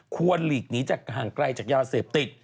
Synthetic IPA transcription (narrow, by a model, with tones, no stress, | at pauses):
kʰu˧ənliː˨˩k̚niː˦˥t͡ɕaː˨˩k̚ɦaː˨˩ŋkɾa˧jt͡ɕaː˨˩k̚jaː˧seː˨˩p̚t̪i˨˩t̪̚